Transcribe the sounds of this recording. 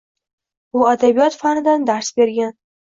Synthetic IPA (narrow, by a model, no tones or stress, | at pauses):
uad̪abijɒt̪fanɪd̪and̪aɾsbe̞ɾɡʲan